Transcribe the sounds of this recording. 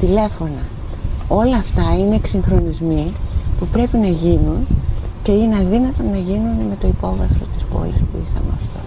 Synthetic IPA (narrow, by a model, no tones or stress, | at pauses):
t̪ile̞fo̞nɐ | o̞lɐːft̪ɐineːksiŋxɾo̞nizmipupɾe̞pinɐʝinunce̞ineɐðinɐt̪o̞nɐʝinunme̞t̪o̞ipo̞vɐθɾo̞st̪i̥spo̞̰lispuixɐ̰mḛɐft̪o̞̰